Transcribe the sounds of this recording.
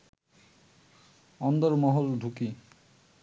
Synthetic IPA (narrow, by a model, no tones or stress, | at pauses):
ɔnd̪ɔɾmɔɦoldʱuki